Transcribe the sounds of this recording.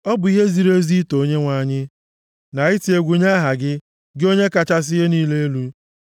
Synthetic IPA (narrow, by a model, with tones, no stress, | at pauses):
ɔ˦bʊ˨i˦ɦe˦zi˨ɾe˦zi˦to˨˦ɲe˦ŋʷa˨ɲɪ˦ | na˨ɪ˦ti˨e˨ɡʷu˨ɲa˦ɦa˨ɡɪ˦ | ɡɪ˦o˦ɲe˦ka˨t͡ʃa˦s̬ɪ˦ɦe˦niː˦le˦e˦lu˦